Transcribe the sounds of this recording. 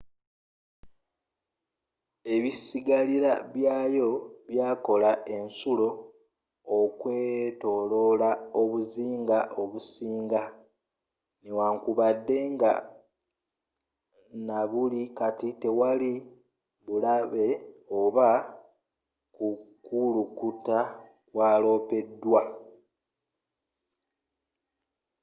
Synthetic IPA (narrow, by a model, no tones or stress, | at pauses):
e̞βisiɡaliɾaβjaːjo̞βjaːko̞laʔe̞nsulo̞ː | kwe̞ːto̞lo̞lao̞βuziːŋɡaʔo̞βusiːŋɡa | newaːŋkuβadːe̞ŋɡa | naβulikatite̞wali | βulaβe̞oβa | kukulukuta | waːlo̞ːpe̞dːwa